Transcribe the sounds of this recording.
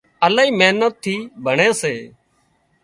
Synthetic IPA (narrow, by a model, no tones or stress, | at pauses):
əlaːiːmeːnət̪ʰːiːbʱəɳeːseː